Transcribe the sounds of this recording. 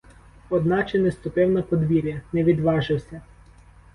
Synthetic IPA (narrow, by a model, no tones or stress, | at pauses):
ɔd̪nɑt͡ʃenɪst̪ʊpɪwnɐpɔd̪ʋʲiɾʲjɐnɛʋʲid̪ʋɑʒɪwsʲɐ